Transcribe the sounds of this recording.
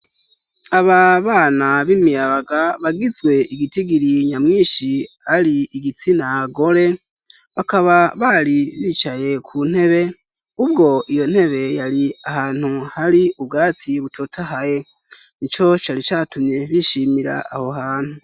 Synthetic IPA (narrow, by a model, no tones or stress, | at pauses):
aβaβaːnaβimijaβaɡaβaɡizɡwe̞ʔiɡitiɡiɾiɲamŋiːʃi | aɾiiɡit͡sinaɡo̞ɾe̞ | βakaβaβaɾiβit͡ʃaje̞kʰuːn̥he̞βe̞ | ubɡo̞ʔijo̞n̥he̞βe̞jaɾiahaːn̥uhaɾiub̚ɡaːtʰiβutʰotʰahaje̞ | nit͡ʃo̞t͡ʃaːɾit͡ʃaːtumɲe̞βiʃiːmiɾa̰ːho̞haːn̥hu